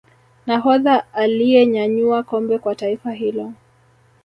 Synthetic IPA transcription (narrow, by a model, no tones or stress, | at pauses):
naɦɔðaalijɛɲaɲuakɔmbɛkwataifaɦilɔ